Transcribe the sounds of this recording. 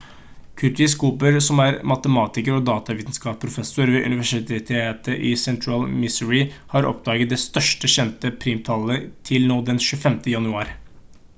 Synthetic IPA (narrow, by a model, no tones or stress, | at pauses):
kʰʉt̪ɪskuːpəɾsɔmæɾmɑt̪əmɑːt̪ɪkəɾɔd̪ɑːt̪ɑʋiːt̪nskɑːppʰɾʊfɛsʊɾʋeːʔʉ̰nɪʋæʂɪt̪ʰet̪ʰeːt̪əʔisɛnt̪ʰɹɑlmɪsʉɹɪhɑɾɔ̰pd̪ɑːɡət̪̚d̪ɛst̪œʂʈəɕɛnt̪əpʰɾiːmt̪ʰɑlət̪ʰɪlnoːd̪ɛnʃʉəfɛmt̪əjɑnʉɑːɾ